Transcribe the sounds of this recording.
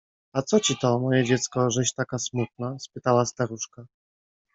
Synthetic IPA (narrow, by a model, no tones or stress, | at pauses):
at̪sɔt͡ɕit̪ɔmɔjɛd͡ʑɛt̪skɔʐɛɕt̪akasmut̪̚naspɘt̪awast̪aɾuʂka